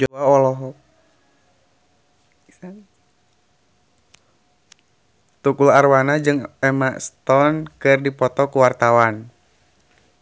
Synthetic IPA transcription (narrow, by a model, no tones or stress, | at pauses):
d͡ʒɔaɔlɔɦɔ | a | t̪ukularwanad͡ʒɨŋɛmast̪ɔnkɨrdipɔt̪ɔkuwart̪awan